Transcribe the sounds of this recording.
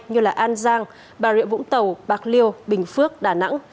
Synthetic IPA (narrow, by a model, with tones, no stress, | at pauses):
ɲɨ˧laː˨˩ʔaː˧nzaː˧ŋ | ɓaː˨˩wḭ˧˨ənvʊ̰˧˥ŋ͡mt̪ə˨˩wɓaː˨˩k̚li˧əwɓï˨˩ŋ̟fɨ˦˥ək̚ɗaː˨˩na̰˧˥ŋ